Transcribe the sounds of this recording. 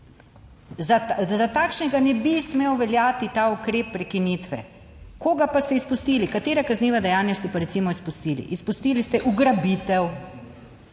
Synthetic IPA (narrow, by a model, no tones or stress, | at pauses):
zazat̪aːkʃnɛɡanɛbismewʋɛljaːt̪it̪aːukɾeːpːɾɛkinit̪ʋɛ̰ | koːɡapast̪ɛispust̪iːlikat̪eːɾakazniːʋad̪ɛjaːnjast̪ɛpaɾɛt̪simɔispust̪iːlḭʔispust̪iːlist̪ɛʔuɡɾabit̪ɛw